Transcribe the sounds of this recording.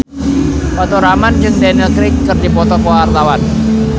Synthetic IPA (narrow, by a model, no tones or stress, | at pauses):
pat̪ɔɾamand͡ʒɨŋdɛnəlkɾɪkːɨrdipɔt̪ɔkɔarlawan